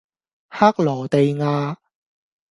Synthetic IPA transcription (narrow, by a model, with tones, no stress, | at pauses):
haː˥k̚lɔː˨˩t̪e˨jŋaː˧